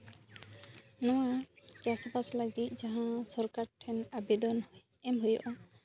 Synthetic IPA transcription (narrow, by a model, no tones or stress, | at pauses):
nɔwat͡ʃasbasləɡit̪̚ˀd͡ʒaɦãsɔɾkaɾʈʰɛnabɛd̪ɔn | ɛmɦujɔ̰ʔa